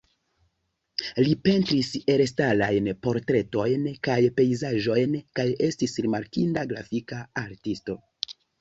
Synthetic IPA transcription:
lipe̞ntɾiseɾestalajnpo̞ɾtɾe̞to̞jnkajpe̞jzaʒo̞jnkaje̞stisɾimaɾkindaɡɾafikaaɾtisto̞

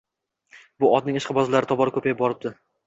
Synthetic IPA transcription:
bʊɒd̪̚nɪŋɪʃqʰɨbɒzɪlaɾɪt̪ʰɒbɒɾɪkʰɵpʰajbɒɾɪp̚d̪ɪ

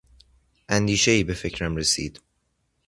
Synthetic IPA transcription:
ʔænd̪iːʃeiːbefecʰɾæmɾesḭːd̪̥

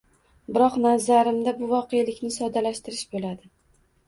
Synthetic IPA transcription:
bɪɾɒqnazaɾɪmd̪abʊvɒqʰejalɪkʲnɪsɒd̪alaʃt̪ɪɾɪʃbolad̪ɪ

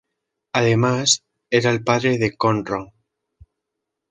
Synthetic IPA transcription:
aðemas | eɾaelpaðɾeðekonroŋ

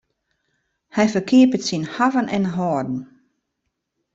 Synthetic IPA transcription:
hɛjfərkʰiəpətsinhavənʔɛnɦɔːdn̩

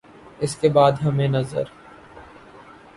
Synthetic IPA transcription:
ɪskebaːd̪ɦɐmẽnɐzə̰ɾ

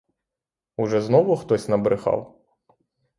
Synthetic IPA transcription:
ʊʒɛznɔʋʊxt̪ɔsʲnɐbɾʔɪxɑ̰w

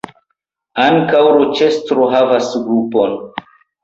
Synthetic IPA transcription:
aŋkawɾot͡ʃe̞stɾoɦavasɡɾupo̞n

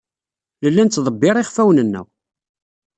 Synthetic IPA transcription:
ləlːænt͡sːðˤəbːɪɾˤiχfæwnənːæ̰w

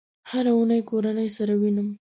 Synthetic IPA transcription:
haɾaunajkoɾanəjsaɾawinəm

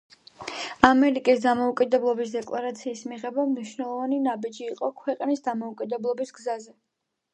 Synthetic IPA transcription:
amɛɾikʼisd̪amɔukʼid̪ɛblˠɔbisd̪ɛkʼlˠaɾat̪sʰiːsmiʁɛbamniʃwnɛlˠɔvaninabid͡ʒiːqʼɔkʰwɛqʼnisd̪amɔukʼid̪ɛblˠɔbisɡzazɛ

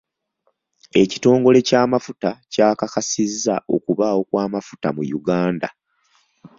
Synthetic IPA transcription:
e̞ci̥to̞ːŋɡo̞le̞caːmafutacaːkakasizːaʔo̞̰kuβaːwo̞kwaːmafu̥tamujuɡaːnda̰

